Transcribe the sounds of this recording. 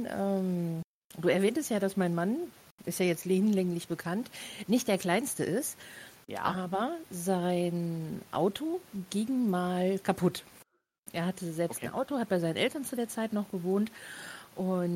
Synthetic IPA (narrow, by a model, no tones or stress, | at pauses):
ʔɛːm | d̥uːɛɐvɛːntəstjaːdasmaɪnman | ʔɪstjaːjɛt͡stleːnlɛŋlɪçb̥əkʰantnɪçtd̥eːɐkʰl̥aɪnstəʔɪstːʔaːbɐzaɪnʔa̰ʊtʰoɡɪŋmaːlkʰapʰʊt | ʔḛːɐhatʰəzɛlpstn̩ʔa̰ʊtohat̚b̥aɪzaɪnənʔɛltɐnt͡sudeːɐt͡saɪtnɔχɡ̥əvoːntʔʊn